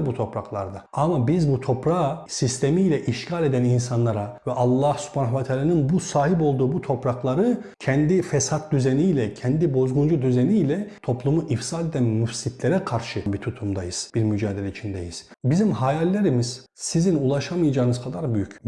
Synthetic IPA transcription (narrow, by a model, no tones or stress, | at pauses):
but̪ʰo̞pɾaklˠa̰ɾd̪aamabizbut̪ʰo̞pɾaːsist̪ʰemijlʲɛʔiʃcʰalʲe̞d̪æninsanlˠaɾavɛʔalˠːahsy̥pʰaːnavɛt̪ʰaːlanɯnbusaːɦipo̞lˠd̪uːbut̪ʰo̞pɾaklˠaɾɯcʰɛnd̪ifɛsat̪̚d̪yzenijlʲɛcʰɛnd̪ibo̞zɡund͡ʒud̪yzenijlʲɛt̪ʰo̞plˠumuʔifsad̪e̞d̪ænmyfsit̪ʰlʲeɾɛkʰaɾʃɯbit̪ʰut̪ʰumd̪ajɯz̥b̥iɾmyd͡ʒaːd̪elʲɛit͡ʃʰind̪ɛ̰jiz̥bizimɦajalʲːeɾimiz̥ | sizinulˠaʃamɯjad͡ʒaːɯnɯz̥kʰad̪aɾbyjyc